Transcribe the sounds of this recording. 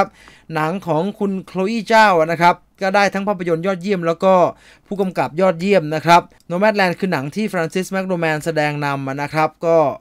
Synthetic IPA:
p̚ | na˩˦ŋkʰɔː˩˦ŋkʰu˧nkʰloː˧ʔiː˥˩t͡ɕaː˥˩wʔa˨˩na˦˥kʰɾa˦˥p̚kɔː˥˩daː˥˩jt̪ʰa˦˥ŋpʰaː˥˩pʰːa˧jo˧njɔː˥˩t̪̚ji˥˩əmlɛː˦˥wkɔː˥˩ | pʰuː˥˩ka˧mka˨˩p̚jɔː˥˩t̪̚ji˥˩əmna˦˥kʰɾa˦˥p̚ | noː˧mɛ˦˥t̪̚lɛː˧nkʰɯː˧na˩˦ŋt̪ʰiː˥˩fɾaː˧nsi˦˥smɛ˦˥k̚doː˧mɛː˧nsa˧dɛː˧ŋna˧mʔa˨˩na˦˥kʰɾa˦˥p̚kɔː˥˩

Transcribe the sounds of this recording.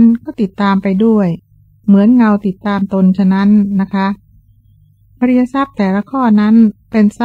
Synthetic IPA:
nkɔː˥˩t̪i˨˩t̪ːaː˧mpa˧jdu˥˩əj | mɯ˩˦ənŋa˧wt̪i˨˩t̪ːaː˧mt̪o˧nt͡ɕʰa˥˩na˦˥nːa˦˥kʰa˦˥ | ba˧ɾi˧ja˧sa˥˩p̚t̪ɛː˨˩la˧kʰɔː˥˩na˦˥npe˧nsa˥

